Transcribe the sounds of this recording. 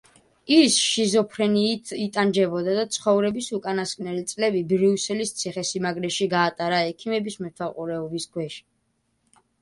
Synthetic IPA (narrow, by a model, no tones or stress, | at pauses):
isʃizɔpʰɾɛniit̪ʼand͡ʒɛbɔd̪ad̪at̪sʰχɔvɾɛbisukʼanaskʼnɛlit̪sʼlɛbibɾiusɛlist̪sʰiχɛsimaɡɾɛʃiɡaːt̪ʼaɾaɛkʰimɛbismɛt̪ʰwaqʼuɾɛɔbiskʰwɛʃi̥